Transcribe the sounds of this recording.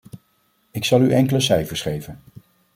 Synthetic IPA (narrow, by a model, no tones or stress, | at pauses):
ɪksɑlˠyʔɛŋkələsɛjfəɹsχejvən